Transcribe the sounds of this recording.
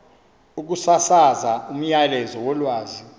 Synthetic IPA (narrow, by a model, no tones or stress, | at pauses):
uk̬usasazaum̩jalɛzɔwɔlwaːzi